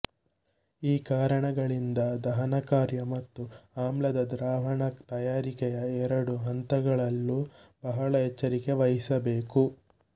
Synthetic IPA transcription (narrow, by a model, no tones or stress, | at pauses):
iːkaːɾɐɳɐɡɐɭind̪ɐd̪ɐɦɐnɐkaːɾjɐmɐt̪ːuaːmlɐd̪ɐd̪ɾaːʋɐɳɐt̪ɐjaːɾikɛjɐɛɾɐɽuɦɐnt̪ɐɡɐɭɐlːubɐɦɐɭɐɦɛt͡ʃːɐɾike̞ʋɐɦisɐbe̞ːku